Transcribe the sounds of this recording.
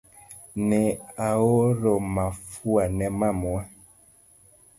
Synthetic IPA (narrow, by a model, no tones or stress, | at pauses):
nɛawoɾomafuanɛmamwɛ